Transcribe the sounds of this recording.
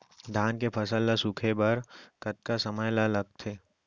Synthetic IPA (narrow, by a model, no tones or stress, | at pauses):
d̪ʱaːnkepʰɐsəlːasukʰebɐɾkɐt̪̚kasɐməjlalɐɡ̚t̪ʰeː